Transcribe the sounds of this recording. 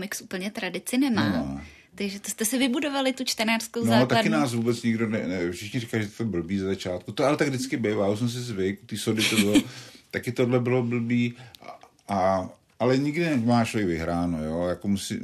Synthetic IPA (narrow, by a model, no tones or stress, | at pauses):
kmɪksʔupl̩ɲɛt̪ɾadɪt͡sɪnɛmaː | t̪akʒɛt̪o̥st̪ɛsɪvɪbudovalɪt̪ut͡ʃt̪ɛnaːr̥skownoat̪akkɪnaːsvubɛt͡sɲɪɡdonɛnɛfʃɪxɲɪrɪkaliʒɛt̪t̪obl̩biːzazat͡ʃaːt̪kut̪oalɛt̪aɡdɪt͡skɪbejvaːus̬mɛms̬ɪzvɪkut̪iːsodɪt̪obɪlot̪akɪt̪odlɛbɪlobl̩biː | a | alɛɲɪɡdɪnɛmaːt͡ʃlovjɛɡvɪɦɾaːnojojakomusḭ